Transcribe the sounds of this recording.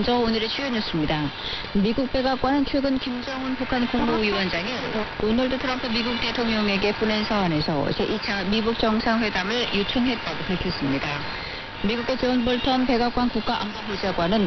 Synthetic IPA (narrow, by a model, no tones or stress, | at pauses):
nd͡ʑʌoɲɯɾet͡ɕʰuoɲos͈ɯmɲida | miɡuk̚p͈e̞ɡak͈̚wanɯnt͡ɕʰweɡɯnkimd͡ʑʌŋɯnpukʰankoŋmuiwʌnd͡ʑaŋi | onʌɭdutʰɯɾʌmpʰɯmiɡuk̚t͈e̞tʰoŋɲʌŋe̞ɡe̞punensʰaane̞sʰʌḭd͡ʑeʔit͡ɕʰamibuk̚t͡ɕ͈ʌŋsʰaŋɸwe̞damɯɭjut͡ɕʰɯŋɦe̞t̚t͈aɡopaɭkʰjʌs͈ɯmɲida | miɡuɡe̞t͡ɕonbʌɭtʰʌnpe̞ɡak͈wankuk̚k͈aʔambamod͡ʑaɡwanɯn